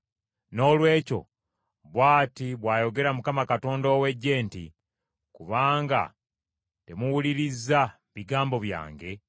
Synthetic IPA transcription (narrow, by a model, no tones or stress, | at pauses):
no̞ːlwe̞ːco̞̰ | βwaːtiβwaːjo̞ɡe̞ɾamukamakato̞ːndoːwe̞ɟːe̞ːntḭ | kuβaːŋɡa̰ | te̞muwuliɾizːa | βiɡaːmbo̞βja̰ːŋɡe̞